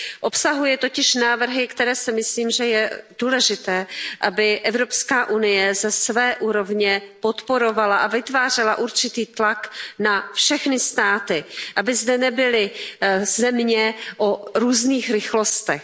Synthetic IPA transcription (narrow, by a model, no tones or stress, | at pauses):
ʔo̞psaɦujɛt̪o̞cɪʃnaːvr̩ɦɪkt̪ɛɾɛːsɪmɪsliːmʒɛjɛd̥uːlɛʒɪt̪ɛːʔabɪʔɛvɾo̞pskaːʔunɪjɛzɛsvɛːʔuːɾo̞vɲɛpot̪po̞ɾo̞valaʔavɪt̪vaːr̝ɛlaʔuɾt͡ʃɪt̪iːt̪laknafʃɛxnɪst̪aːt̪ɪʔabɪzdɛnɛbɪlɪzɛmɲɛʔoɾuːzniːxɾɪxlo̞st̪ɛx